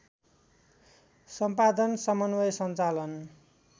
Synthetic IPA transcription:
sʌmpad̪ʌnsʌmʌnwʌjsʌnt͡salʌn

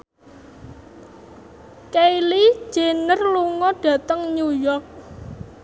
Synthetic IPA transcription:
kejli̥d͡ʒ̥e̤nərluŋɔɖ̥ä̤t̪əŋɲujɔrk̚

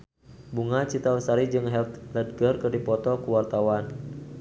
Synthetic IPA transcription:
buŋat͡ʃit̪ausaɾid͡ʒɨŋɦɛlt̪ləd̚ɡərkɨrdipɔt̪ɔkuwart̪awan

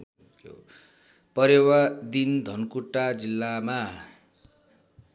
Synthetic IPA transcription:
o̰ | pʌɾewad̪ind̪ʱʌnkuʈːad͡zilːama

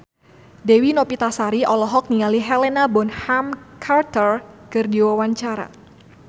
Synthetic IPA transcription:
dewinopit̪asaɾiɔlɔɦɔk̚niŋaliɦɛlɛnabɔnhamkʰart̪ərkɨrdiwawaɲt͡ʃaɾa̰

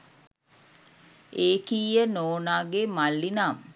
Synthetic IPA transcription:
eːkiːjənoːnaːɡemalːinaːm

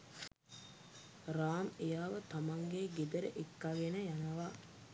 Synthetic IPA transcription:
raːmejaːʋɐt̪ɐmɐŋɡeːɡed̪əɾeʔekːaɡenəjanɐʋa

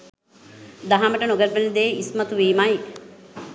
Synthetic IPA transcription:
d̪aɦaməʈənoɡəlpenid̪eːismɐt̪uʋiːmaj

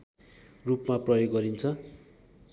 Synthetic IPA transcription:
rupmaprʌjoɡːʌɾint͡sʰʌ

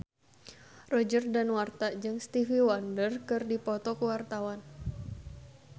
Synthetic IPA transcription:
rɔd͡ʒərdanwart̪ad͡ʒɨŋst̪ifiwandərkɨrdipɔt̪ɔkuwart̪awan

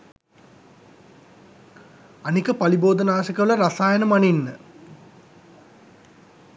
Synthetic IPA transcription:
anikəpaliboːd̪ənaːsəkəʋələɾasaːjənəmaninːə

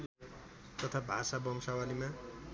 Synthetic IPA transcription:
t̪ʌt̪ʰabʱasabʌmsawalima

